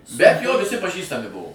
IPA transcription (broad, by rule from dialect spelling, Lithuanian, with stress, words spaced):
bʲɛt joː ʋʲɪˈsʲɪ pɐˈʒʲiːstɐmʲɪ ˈbʊʋoː